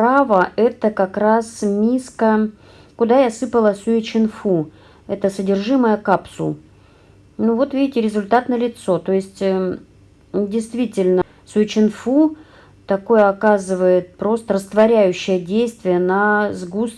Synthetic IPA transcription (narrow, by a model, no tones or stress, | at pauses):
pɾavəʔɛt̪əkɐkɾasmʲiskə | kʊd̪ajasɨpəlˠəsʊɪt͡ɕɪnfu | ɛt̪əsədʲɪrʐɨməjəkapsṵlˠ | nuvo̞t̪vʲidʲɪtʲɪɾʲɪzʊlʲt̪at̪nəlʲɪt̪so̞t̪o̞ɪsʲtʲ | dʲɪjst̪vʲitʲɪlʲnə | sʊɪt͡ɕɪnfu | t̪ɐko̞jəɐkazɨvəjɪt̪̚pɾo̞st̪əɾəst̪vɐɾʲæjʉɕːɪjədʲejst̪vʲɪjənazɡus